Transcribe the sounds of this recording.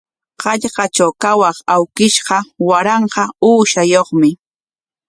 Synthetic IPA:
qɑʎqɑt͡ʃawkawɑχawkɪʃɢɑwaɾɑɴqɑuːʃajoχmɪ

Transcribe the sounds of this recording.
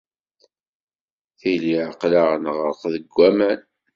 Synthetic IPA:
θiliʕəqlaʁnəʁəɾqðəɡʷːæmæn

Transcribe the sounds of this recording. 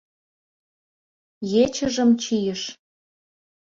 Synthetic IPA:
jet͡ɕəʒəmt͡ɕijəʃ

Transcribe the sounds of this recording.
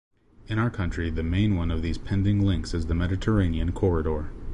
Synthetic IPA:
ɨ̃ɾ̃aʊə˞kʰʌ̃nt͡ʃɹ̥iðɨmẽɪ̃nwʌ̃nʌvðiz̥pʰɛ̃ndɪ̃ŋlɪ̃ŋksɨzðɨmɛɾɨtʰə˞ẽɪ̃niɨ̃nkʰɔɹɨɾɔɹ

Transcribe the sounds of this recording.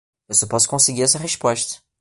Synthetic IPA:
ewsepɔsʊ̥kõseɡiɾɛsɐɦeʃpɔʃt̪ɐ̥

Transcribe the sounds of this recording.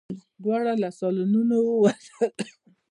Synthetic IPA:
bʷaɾalasɔlʊnunowowasat

